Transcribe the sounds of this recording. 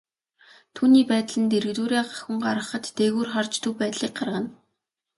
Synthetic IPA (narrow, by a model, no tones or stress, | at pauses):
t̪ʰuːniːpæːt̪̆ɮɘ̆nt̪eɾɘ̆t̪uːɾʲaːɢḁxə̆ɴɢaɾə̆χə̆t̪ːeɣuːrχɔrt͡ɕt̪ʰupæːt̪ɮiːk̚ɢarʁə̆n